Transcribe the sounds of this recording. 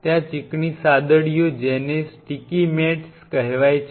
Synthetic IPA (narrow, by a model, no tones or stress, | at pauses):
t̪jãt͡ʃikɳisad̪əɽijod͡ʒenesʈikimɛʈskəɦʋajt͡ʃʰ